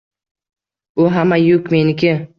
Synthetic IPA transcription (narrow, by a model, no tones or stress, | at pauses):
ʊɦamajʊkʲmenɪkʲʰɪ